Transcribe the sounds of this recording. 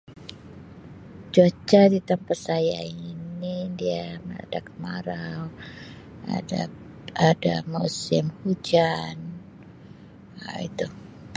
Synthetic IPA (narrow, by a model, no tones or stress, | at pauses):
d͡ʒot͡ʃadit̪əmpat̪̚saja̰inidiaməa̰dakəmaɾaw | a | adamusɪmhud͡ʒan | ḭt̪u